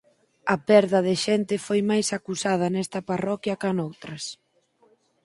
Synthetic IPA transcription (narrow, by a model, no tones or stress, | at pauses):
ɐpɛɾðɐðɪʃɛnt̪ɪfojmajsakusaðɐnɛst̪ɐparɔkjɐkanowt̪ɾɐs